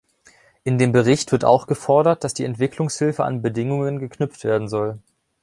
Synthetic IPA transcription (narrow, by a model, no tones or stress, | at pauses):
ʔɪndeːmbəʁ̞ɪçtv̥ɪɐta̰ʊxɡ̥əfɔɐdɐt̚d̥asd̥iːɛntv̥ɪklʊŋshɪlfəʔa̰nbədɪŋʊŋənɡəkʰnʏp͡ftv̥eːɐdn̩zɔl